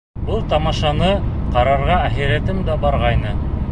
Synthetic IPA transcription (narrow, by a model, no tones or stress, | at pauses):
bɤlˠt̪ɑmɑʃɑnɤqɑɾɑɾʁɑæχiɾæt̪ɘmd̪æbɑɾʁɑjnɤ